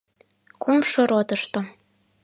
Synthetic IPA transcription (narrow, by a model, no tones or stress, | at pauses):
kumʃŏɾot̪ɤ̆ʃt̪ŏ